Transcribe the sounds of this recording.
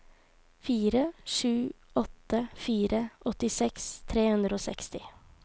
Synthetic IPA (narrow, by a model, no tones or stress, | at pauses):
fiːɾəʂʉːɔt̪ːəfiːɾʔəʔɔt̪ɪsɛkst̪ʰɾeːhʉnd̪ɾəoːsɛ̰kst̪ɪ